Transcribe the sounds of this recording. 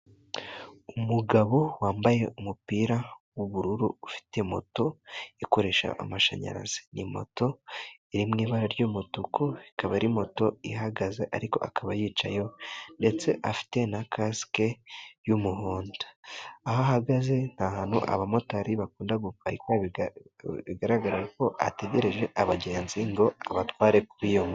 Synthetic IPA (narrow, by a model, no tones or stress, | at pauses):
umuɡaβo̞waːmbaje̞ʔumupiːɾawuβuɾuɾuufi̥te̞mo̞̰to̞iko̞ɾe̞ʃa̰ʔa̰maʃa̰ɲa̰ɾa̰z̥i̥nimo̞̰to̞iɾimŋiːβaɾaɾɟuːmutukuikaβaɾimo̞to̞iɦaɡazeʔa̰ɾiko̞̰ʔakaβajiːt͡ʃa̰jo̞nde̞t͡se̞ʔafi̥te̞nakʰaskejumuɦoːndḁːhoɦaɡaze̞n̥hahaːn̥hṵʔa̰βamo̞taɾiβakuːndaɡufaikaβi | βiɡaɾaɡaɾajeko̞a̰te̞ɟe̞ɾe̞ʒe̞ʔaβaɟe̞ːnziŋɡo̞aβatwaːɾe̞kuwijomo